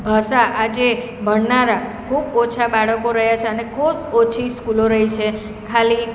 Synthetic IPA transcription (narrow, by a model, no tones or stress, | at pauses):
bʱəsaʔad͡ʒe | bʱəɽnaɾakʰubot͡ʃʰabaɭəkoɾəɦjat͡ʃʰeənekʰubot͡ʃʰiskuloɾəɦit͡ʃʰe | kʰali